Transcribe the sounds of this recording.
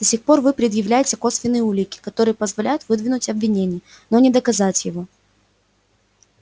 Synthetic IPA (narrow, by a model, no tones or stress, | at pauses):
d̪̥ɐsʲixpo̞rvɨpɾʲɪd̪jɪvlʲæjɪtʲɪkosvʲɪnːɨjəulʲɪkʲɪ̥kɐt̪o̞ɾɨjəpəzvɐlʲæjʊt̪vɨd̪vʲɪnʊtʲɐbvʲɪnʲenʲɪj | no̞nʲɪd̪əkɐzatʲjɪvo̞